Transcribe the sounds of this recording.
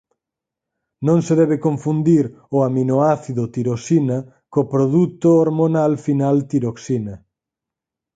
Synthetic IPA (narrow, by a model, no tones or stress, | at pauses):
nõŋseðɛβekõɱfund̪iɾ | ʊaminoaθiðʊt̪iɾosina | kopɾoðut̪ooɾmonalfinalt̪iɾoksinɐ